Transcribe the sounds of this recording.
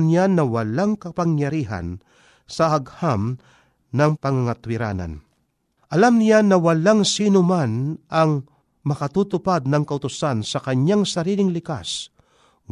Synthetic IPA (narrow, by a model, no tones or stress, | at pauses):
njanːɐwɐlaŋkɐpɐŋjɐɾiːɦa̰n | sɐɐɡham | nɐŋpɐŋɐŋɐt̪wɪɾa̰ːna̰n | ʔɐlamnɪjanːɐwɐlaŋsiːnʊmanʔɐŋ | mɐkɐt̪ut̪ʊpad̪̚nɐŋkɐʔʊt̪ʊsansɐkɐɲaŋsɐɾiːlɪŋlɪkas